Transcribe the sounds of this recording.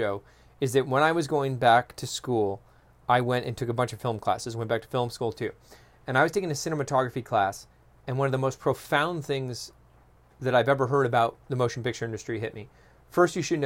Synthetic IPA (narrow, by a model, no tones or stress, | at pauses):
oʊ | ɨzðɨt̚wə̃ñaɪwʌzɡoʊɪ̃ŋbæk̚tʰɨskulˠ | aɪwɛ̃ñtʔɨ̰̃ntʰʊkəbʌ̃nt͡ʃʌv̥fɪl̃ˠmkʰl̥æ̰sɨzwɛ̃nb̥æk̚tʰə̥fɪlˠmskulˠtʰʉ | ɨ̃ñaɪwʌz̥tʰeɪkɪ̃ŋɨsɪ̃ñɨmɨtʰɑɡɹɨfikʰl̥æs | ɨ̃nwʌ̃nʌvðəmoʊspʰɹ̥oʊfãʊ̃nθɪ̃ŋz | ðɨɾaɪvɛvə˞ɦɜ˞ɾɨbaʊt̪̚ðɨmoʊʃn̩pɪk̚t͡ʃə˞ɪ̃ndɨstɹ̥iɦɪt̚mi | fɜ˞stjɨʃɨdⁿn̩